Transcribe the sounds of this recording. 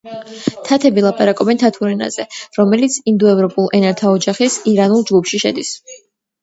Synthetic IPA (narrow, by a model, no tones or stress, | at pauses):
t̪ʰat̪ʰɛbilˠapʼaɾakʼɔbɛnt̪ʰat̪ʰuɾɛna̰zɛɾɔmɛlit̪sʰind̪ɔɛvɾɔpʼulˠɛnaɾt̪ʰaɔd͡ʒaχisiɾanulˠd͡ʒɡupʰʃiʃɛ̰d̪is